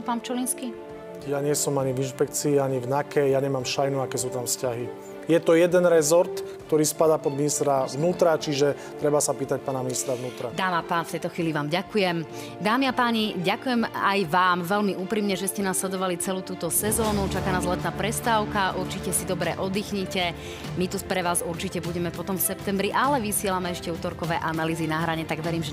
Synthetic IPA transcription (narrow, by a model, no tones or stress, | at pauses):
paːnt͡ʃɔlinski | jaɲɪɛsɔmaɲivinʃpɛk̚t͡siːaɲivnakɛjaɲɛmaːmʃajnuakɛs̬uːt̪amfscaɦi | jɛt̪ɔjɛd̪ɛnɾɛzɔɾt̪kt̪ɔɾiːspad̪aːpɔd̪minist̪ɾaʋnuːt̪ɾat͡ʃiʒɛ | t̪ɾɛbasapiːt̪ac̚paːnaminist̪ɾaʋnuːt̪ɾad̪aːmapaːnft̪ɛjt̪ɔxʋiːliʋaːmɟakujɛm | d̪aːmiapaːɲiɟakujɛma̰jʋaːmʋɛlmiʔuːpɾiːmɲɛʒɛscɛnaslɛd̪ɔʋalit͡sɛluːt̪uːt̪ɔsɛzɔːnut͡ʃakaːnaːzlɛt̪naːpɾɛst̪aːʊkaʔuɾt͡ʃicɛsid̪ɔbɾɛːʔɔd̪ixɲicɛ | mit̪upɾɛʋaːzuɾt͡ʃicɛbuɟɛmɛpɔt̪ɔmfsɛpt̪ɛmbɾiʔalɛʋisɪɛlamɛɛʃcɛuːt̪ɔɾkɔʋɛːʔanaliːzinaɦɾaɲɛt̪aɡʋɛɾiːmʒɛ